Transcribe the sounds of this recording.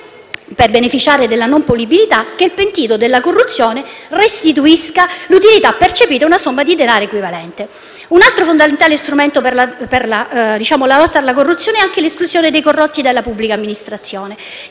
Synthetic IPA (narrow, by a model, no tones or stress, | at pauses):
perbenefit͡ʃaːɾed̪elːanompolibilit̪ak̟ːeilpent̪iːt̪od̪elːakorːut̪sːjoːnerest̪it̪uiskalut̪ilit̪apːert͡ʃepiːɾaunasomːad̪id̪enaːɾoekwivalɛnt̪e | unalt̪ɾofond̪ament̪aːlest̪ɾument̪operlaperlad̪it͡ʃaːmolalɔt̪ːaːlːakorːut̪sːjoːneɛaŋk̟eleskluzjoːned̪ejkorːɔt̪ːid̪elːapubːlikamːinist̪ɾat̪sːjoːne